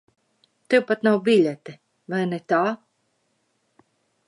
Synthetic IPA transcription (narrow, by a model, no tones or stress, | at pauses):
t̪ɛwpat̪nawbʲilʲɛt̪ɛ | vajnɛt̪aː